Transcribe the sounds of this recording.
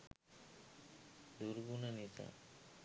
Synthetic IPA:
d̪uɾɡunanit̪ʰa̰

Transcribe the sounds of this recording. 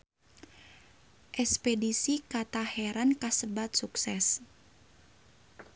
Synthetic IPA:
ʔɛspɛdisikat̪ahɛɾankasəbat̪̚suksɛs

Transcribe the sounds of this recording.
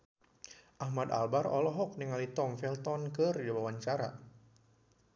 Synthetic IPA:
ʔahmad̪a̰lbarɔ̰lɔɦɔk̚niŋalit̪ɔŋfɛlt̪ɔnkərdawawaɲt͡ʃaɾa̰

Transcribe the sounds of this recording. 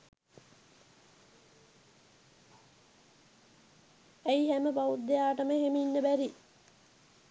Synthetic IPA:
æjɦæməbaud̪ejaːʈəməɦeminːəbæɾi

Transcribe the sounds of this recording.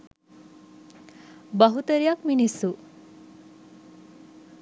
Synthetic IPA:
bəɦut̪əɾijakminisu

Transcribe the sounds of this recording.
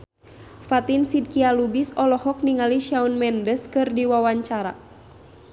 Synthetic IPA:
fat̪insid̚kialubisɔlɔhɔk̚niŋaliʃaunmɛndəskɨrdiwawaɲt͡ʃaɾa̰

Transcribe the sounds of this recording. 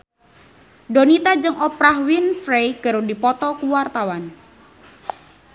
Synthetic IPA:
donit̪ad͡ʒɨŋʔɔpɾahwinfɾejɡ̥əɾodipɔt̪ɔkuwart̪awan

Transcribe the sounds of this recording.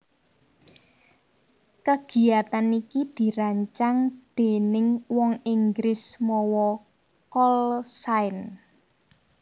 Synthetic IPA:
kəɡ̥i̤at̪anikid̪̥i̤ɾaɲt͡ʃaŋd̪̥e̤nɪŋwɔŋiŋɡɾɪsmɔwɔ | kɔlsaɪn

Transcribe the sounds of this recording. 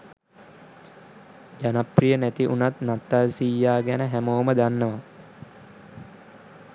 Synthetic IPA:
d͡ʒanaprijənæt̪iʔunat̪nat̪ːalsijːaːɡænəɦæmoːməd̪anːəʋa

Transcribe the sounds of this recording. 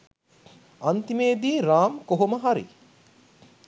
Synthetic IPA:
ɐnt̪imeːd̪iːɾaːmkoɦoməɦaɾḭ

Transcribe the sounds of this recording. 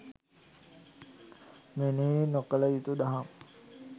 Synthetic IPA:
menenokələit̪ud̪aɦam

